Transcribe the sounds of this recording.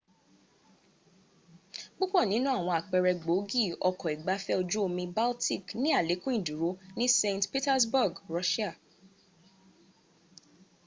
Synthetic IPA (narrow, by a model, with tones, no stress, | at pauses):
ɡ͡bo˦k͡pɔ˦˨nĩ˨˦nũ˦a˦˨w̃ɔ̃˧a˨k͡pɛ˨˧ɾɛ˧ɡ͡bo˨˦ɡi˦˨ɔ˧kɔ˨i˨ɡ͡ba˨˦fɛ˦o˧d͡ʒu˦o˧mĩ˧ba˦lti˦˨knĩ˦a˦˨le˨˦kũ˦ĩ˦˨du˨ɾo˨˦nĩ˦sẽ˧ntpi˦tɛ˦sbu˦˨ɡɾɔ˦ʃi˦a˦˨